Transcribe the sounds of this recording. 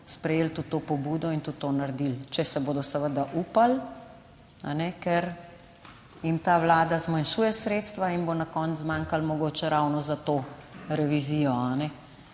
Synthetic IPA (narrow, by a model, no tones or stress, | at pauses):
spɾɛjeːlt̪ut̪ːoːpɔbuːd̪ɔint̪ut̪ːonaɾd̪ilt͡ʃɛsɛboːd̪ɔsəʋəd̪aʔuːpal | anɛkɛɾ | jimt̪aːʋlaːd̪azmanʃuːjɛsɾeːt̪st̪ʋainbonakɔnt̪zzmaːŋkalmɔɡoːt͡ʃɛɾawnɔzat̪oːɾɛʋizijɔanɛ